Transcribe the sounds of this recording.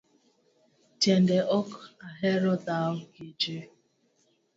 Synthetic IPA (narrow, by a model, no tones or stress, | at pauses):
tendeʔɔkaɦeɾɔdaʊɡid͡ʒe